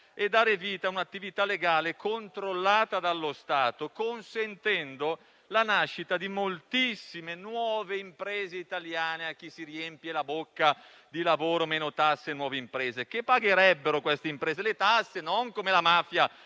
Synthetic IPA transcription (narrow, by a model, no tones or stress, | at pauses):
ed̪ːaːɾeviːt̪aunat̪ːivit̪alːeɡaːlekont̪ɾolːaːt̪ad̪alːost̪aːt̪okonsent̪ɛnd̪o | lanaʃːit̪ad̪imolt̪isːimenwɔːveimpɾɛːzeit̪aljaːneak̟ːisiɾiempjelabokːa | d̪ilavoːɾomeːnot̪asːenwɔːveimpɾɛːzekepːaɡeɾɛbːeɾokwest̪eimpɾeːzelet̪asːenoŋkomelamaːfja